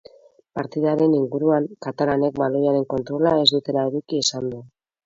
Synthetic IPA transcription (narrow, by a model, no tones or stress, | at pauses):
paɾt̪iðaɾe̞niŋɡuɾuaŋkat̪alane̞k̚balo̞jaɾe̞ŋko̞nt̪ɾo̞lae̞zd̪ut̪e̞laeðukie̞sand̪u